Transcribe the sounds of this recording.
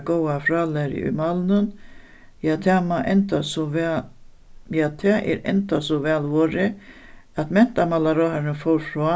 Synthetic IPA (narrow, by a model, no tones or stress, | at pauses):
ɡowafɾaːlɛɾɪ̰ʔʊ̰jmalnʊn | jaːt̪ʰɛːmaʔɛnt̪asɔ | jaːt̪ʰɛːʔɛ̰ɾɛ̰nt̪asɔvɛːlʋoːɾɪ | at̪mɛn̥t̪amalaɾɔːhaɾɪnfɔwɾfɾɔː